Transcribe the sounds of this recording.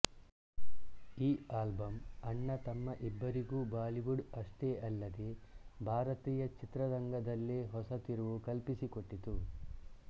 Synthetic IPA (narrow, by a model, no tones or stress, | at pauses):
iːaːlbɐmɐɳːɐt̪ɐmːɐʔibːɐɾiɡuːbaːliʋuɖɐʂʈe̞ːʔɐlːɐd̪ebʱaːɾɐt̪iːjɐt͡ʃit̪ɾɐɾɐŋɡɐd̪ɐlːeːɦɔsɐt̪iɾuʋukɐlpisikoʈːit̪u